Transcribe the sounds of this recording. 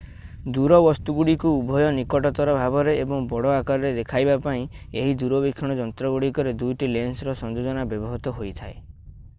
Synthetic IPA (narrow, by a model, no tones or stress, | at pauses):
d̪uɾɔbɔst̪uɡuɽikuubʱɔjɔnikɔʈɔt̪ɔɾɔbʱabɔɾeːbɔŋbɔɽɔakaɾɔɾed̪ekʰajbapaĩeɦid̪uɾɔbikʰːɔɽ̃ɔd͡ʒɔnt̪ɾɔɡuɽikɔɾed̪ujʈilensɾɔsɔnd͡ʒod͡ʒɔnabjɔbɔɦɔt̪ɔɦojt̪ʰae